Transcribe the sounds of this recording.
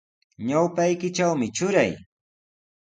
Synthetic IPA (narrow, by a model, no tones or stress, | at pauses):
ɲawpajkɪt͡ʃawmɪt͡ʃʊɾa̰j